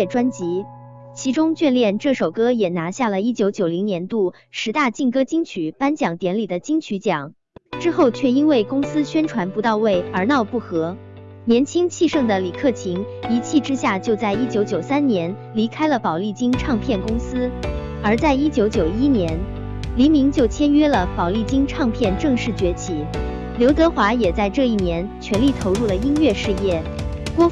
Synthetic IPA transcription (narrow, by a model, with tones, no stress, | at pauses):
ʈ͡ʂwa˥nt͡ɕi˧˥ | t͡ɕʰi˧˥ʈ͡ʂʊ˥ŋt͡ɕɥɛ˥˧nljɛ˥˧nʈ͡ʂɤ˥˩ʂo˨˩ʊkɤ˥jɛ˨˩na˧˥ɕja˥˩lə˩i˥t͡ɕjo˧˥ʊt͡ɕjo˨˩ʊli˧˥ŋnjɛ˧˥nt̪u˥˩ | ʂɻ̩˧˥t̪a˥˧t͡ɕi˥˩ŋkɤ˥t͡ɕi˥ŋt͡ɕʰy˨˩˦pa˥nt͡ɕjɑ˨˩ŋt̪jɛ˧˥nli˨˩d̪ə˦t͡ɕi˥ŋt͡ɕʰy˧˥t͡ɕjɑ˨˩˦ŋ | ʈ͡ʂɻ̩˥xo˥˧ʊt͡ɕʰɥɛ˥˩i˥nwe˥˩ɪkʊ˥ŋsɹ̩˥ɕɥɛ˥nʈ͡ʂʰwa˧˥npu˧˥t̪ɑ˥˧ʊwe˥˩ɪə˞˧˥nɑ˥˧ʊpu˥˩xɤ˧˥ | njɛ˧˥nt͡ɕʰi˥ŋt͡ɕʰi˥˧ʂɤ˥˩ŋd̪ə˩li˨˩kʰɤ˥˩t͡ɕʰi˧˥ŋi˧˥t͡ɕʰi˥˩ʈ͡ʂɻ̩˥ɕja˥˩t͡ɕjo˥˧ʊt͡sa˥˩ɪi˥t͡ɕjo˧˥ʊt͡ɕjo˨˩ʊsa˥nnjɛ˧˥n | li˧˥kʰa˥ɪlə˨pɑ˨˩ʊli˥˩t͡ɕi˥ŋʈ͡ʂʰɑ˥˧ŋpʰjɛ˥˩nkʊ˥ŋsɹ̩˥ | ə˞˧˥t͡sa˥˩ɪi˥t͡ɕjo˧˥ʊt͡ɕjo˨˩ʊi˥njɛ˧˥n | li˧˥mi˧˥ŋt͡ɕjo˥˩ʊt͡ɕʰjɛ˥nɥɛ˥lə˨pɑ˨˩li˥˩t͡ɕi˥ŋʈ͡ʂʰɑ˥˧ŋpʰjɛ˥˧nʈ͡ʂɤ˥˧ŋʂɻ̩˥˩t͡ɕɥɛ˧˥t͡ɕʰi˧˥ | ljo˧˥ʊt̪ɤ˧˥xwa˧˥jɛ˨˩t͡sa˥˧ɪʈ͡ʂɤ˥˧i˥˩njɛ˧˥nt͡ɕʰɥɛ˧˥nli˥˩t̪ʰo˧˥ʊɻu˥˩lə˩i˥nɥɛ˥˧ʂɻ̩˥˧jɛ˥˩ | kwɔ˥